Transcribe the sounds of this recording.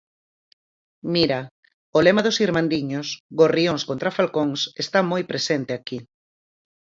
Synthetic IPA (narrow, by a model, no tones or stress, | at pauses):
miɾa | olemaðosiɾmãnd̪iɲosɣorioŋskõnt̪ɾafalkoŋsest̪amojpɾesent̪eaki